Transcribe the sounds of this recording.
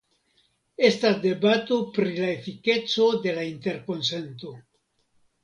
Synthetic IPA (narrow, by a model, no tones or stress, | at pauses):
est̪ad̪e̞bat̪opɾilaefike̞t͡sod̪e̞laint̪e̞ɾko̞nse̞nt̪o